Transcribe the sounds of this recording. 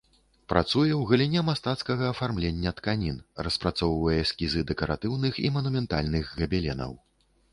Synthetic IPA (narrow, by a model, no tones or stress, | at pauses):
pɾat̪sujɛwɣɐlʲinʲɛmast̪at̪skɐɣɐːfarmlʲenʲːɐt̪kanʲinrɐspɾat̪sɔwvɐjɛsʲkʲizɨd̪ɛkɐɾat̪ɨwnɨxḭmɐnumʲɛnt̪alʲnɨxɣɐbʲɛlʲɛ̰nɐ̰w